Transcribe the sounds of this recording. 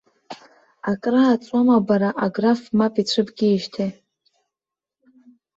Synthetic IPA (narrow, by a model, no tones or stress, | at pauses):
akʼraːt͡sʷʼamabaɾaʔaɡrafmapʼit͡ɕʷʰɨpʼɡʲiiʃtʰe